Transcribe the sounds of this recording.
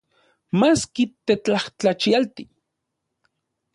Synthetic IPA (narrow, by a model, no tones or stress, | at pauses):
maskit̪et͡ɬaht͡ɬat͡ʃialt̪i